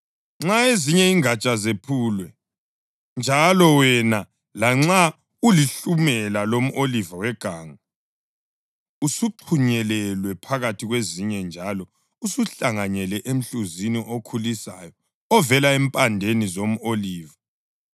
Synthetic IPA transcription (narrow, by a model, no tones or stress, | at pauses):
ŋ͡ǁaeziɲɛiŋat͡ʃʼazepʰuːlwɛ | nd͡ʒʱalɔwɛna | laŋ͡ǁa | uliɬumɛlalom̩ʔolivawɛɡ̥ʱaːŋa | usuǃʰuɲɛlɛlwɛpʰaɣatʰiɣweziɲɛnd͡ʒʱalɔ | usuɬaŋaɲɛlɛʔem̩ɬuziniʔokʰulisa̰jɔ | ɔvɛlaɛmpʼandʱenizom̩oliːva